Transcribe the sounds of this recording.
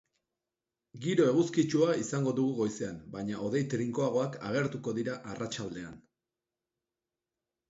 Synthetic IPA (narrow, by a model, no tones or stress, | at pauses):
ɡiɾo̞e̞ɣ̞uskit͡ʃuaisaŋɡo̞ðuɣuɣo̞jse̞ambajɲao̞ðe̞jt̪ɾiŋko̞aɣ̞o̞aka̰ɣe̞ɾt̪uko̞ðiɾaʔarat͡ʃald̪e̞an